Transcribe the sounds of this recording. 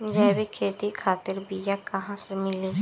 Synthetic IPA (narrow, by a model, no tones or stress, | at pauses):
d͡ʒɛːbekʰeːt̪ikʰaːt̪ɪɾbijakɐɦãsemɪliː